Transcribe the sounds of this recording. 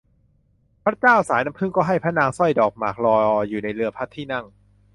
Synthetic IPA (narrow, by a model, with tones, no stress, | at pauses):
pʰɾa˦˥t͡ɕaː˥˩wsaː˩˦jna˦˥mpʰɯ˥˩ŋkɔː˥˩ɦa˥˩jpʰa˦˥naː˧ŋsɔ˥˩jdɔː˨˩k̚maː˨˩k̚lɔː˧juː˨˩na˧jlɯ˧ɐpʰa˦˥t̪ʰːiː˥˩na˥˩ŋ